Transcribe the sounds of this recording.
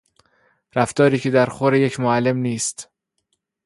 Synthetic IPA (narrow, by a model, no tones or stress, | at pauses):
ɾæft̪ɒːɾiːcʰe̞d̪æɾxoɾeje̞cʰmoælːe̞mniːst̪